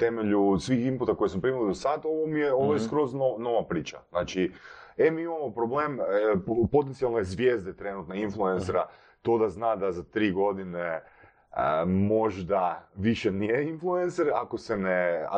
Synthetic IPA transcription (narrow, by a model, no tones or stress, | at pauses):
t̪emeʎusʋiːximput̪ako̞jesmopɾimilid̪osad̪o̞ʋomijeoʋojeskɾo̞znono̞ʋapɾiːt͡ʃa̰znaːt͡ʃie̞miːimamo̞pɾobleːm | po̞t̪ent̪ialˠnojezʋje̞ːzd̪et̪ɾe̞nut̪neinflˠuenseɾa | t̪o̞ːd̪aznaːd̪azat̪ɾiːɡo̞d̪ine | əmo̞ʒd̪aʋiʃenijeinfluenseɾakosenea̰